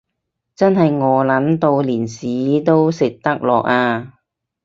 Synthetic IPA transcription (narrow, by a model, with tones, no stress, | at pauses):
t͡sɐ˥nɦɐ˨jŋɔː˨˧lɐ˨˥nt̪o˧wliː˨˩nsiː˨˥t̪o˥wsɪ˨k̚t̪ɐ˥k̚lɔː˨k̚aː˧